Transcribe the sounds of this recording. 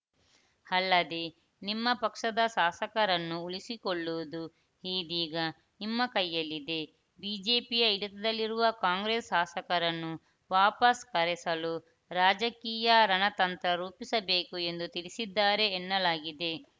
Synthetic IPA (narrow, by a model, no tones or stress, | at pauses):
ɐlːɐd̪e̞ | nimːɐpɐkʂɐd̪ɐʃaːsɐkɐɾɐnːuuɭisikoɭːuʋud̪u | hiːd̪iːɡɐ | nimːɐkɐjːɐlːid̪e̞ | biːd͡ʒe̞ːpijɐiɽɐt̪ɐd̪ɐlːiɾuʋɐkaːŋɡɾeːsʃaːsɐkɐɾɐnːu | ʋaːpɐskɐɾɛsɐlu | ɾaːd͡ʒɐkiːjɐɾɐnɐt̪ɐnt̪ɾɐɾuːpisɐbe̞ːkue̞nd̪ut̪iɭisid̪ːaːɾe̞ːnːɐlaːɡid̪e̞